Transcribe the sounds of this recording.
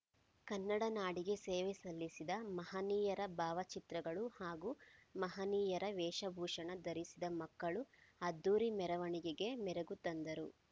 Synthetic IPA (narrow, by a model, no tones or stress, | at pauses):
kɐnːɐɽɐnaːɽiɡe̞seːʋesɐlːisid̪ɐmɐɦɐniːjɐɾɐbaːʋɐt͡ʃit̪ɾɐɡɐɭuhaːɡuːmɐɦɐniːjɐɾɐʋɛːʃɐbʱuːʂɐɳɐd̪ɐɾisid̪ɐmɐkːɐɭuɐd̪ːuːɾimɛɾɐʋɐɳiɡeɡe̞mɛɾeɡut̪ɐnd̪ɐɾu